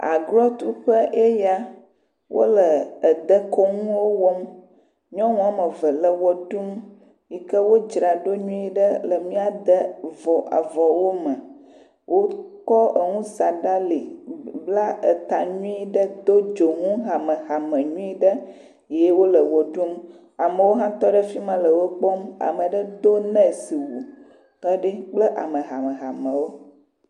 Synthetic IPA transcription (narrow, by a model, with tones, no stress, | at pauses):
a̰˨ɡlɔ˦t̪u˦ɸə˦ʔe˦ja˦ | wʔo̰˦lə˨ə˨d̪ə˦kɔ˦ŋũ˦wo˦wo˦m | ɲɔ̃˦ŋũ˦a˨mə˨və˨lə˨wɔ˨ɖu˦m | ji˦kə˦wo˦d͡ʒɾa˨ɖo˦ɲũ˦i˦ɖə˦lə˨mĩ˦a˨d̪ə˦vɔ˨ʔa̰˨vɔ˨wo˦mə˨ | wʔo˦kɔ˦ə˨ŋũ˦sa˨ɖa˦li˨bla˦ə˨t̪a˨ɲũ˦i˦ɖə˦d̪o˦d͡ʒo˨ŋũ˦ɦa˨mə˨ɣa˨mə̃˨ɲũ˦i˦ɖə˦ | je˦wo˦lə˨wɔ˨ɖu˦m | a˨mə̃˨wo˦ɦã˦t̪ɔ˦ɖə˦fi˦mə̃˨lə˨wo˦k͡pɔ˦ma̰˨mə˨ɖə˦d̪o˦nə̃˦˨si˨wu˨ | kə˦ɖi˦k͡plə˦ʔa˨mə̃˨ɦa˨mə̃˨ɦa˨mə̃˨wo˦